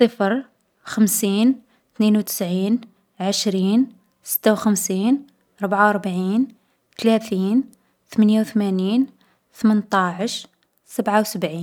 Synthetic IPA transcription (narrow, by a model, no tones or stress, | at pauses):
sˤəfɾ | xəmsiːn | t̪ninwt̪ə̥sʕiːn | ʕəʃɾiːn | sə̥t̪ːawxəmsiːn | ʔɾˤbʕawɾˤbʕin | t̪læt̪iːn | t̪əmænjawt̪mæniːn | t̪əmənt̪ˤɑʕəʃ | səbʕawsəbʕiː